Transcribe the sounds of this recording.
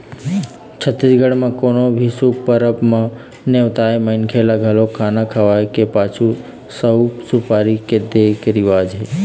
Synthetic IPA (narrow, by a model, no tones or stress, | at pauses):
t͡ʃʰət̪ːisɡəɽmãkonobʱisupəɾəpmã | neʋt̪ajməinkʰelaɡʱalokʰanakʰəʋajkepat͡ʃʰu | səwsupaɾiked̪ekəɾiʋad͡ʒɦe